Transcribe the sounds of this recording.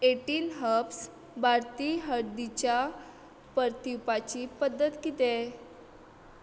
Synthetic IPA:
eʈiːnɦəps | bʱaɾt̪iɦəɽd̪it͡ɕja | pəɾt̪iwpat͡ɕipəd̪ːət̪kit̪e

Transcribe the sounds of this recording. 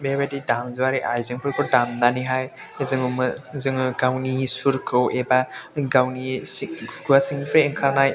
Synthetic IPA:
bebadidamzɯwaɾiʔaɾzɯŋpʰɯɾkʰɯwdamnaniɦaj | zɯŋmɯzɯŋɡawnisuɾkʰɯwebaɡawni | ɡuwasiŋnipʰajiŋkʰaɾnaj

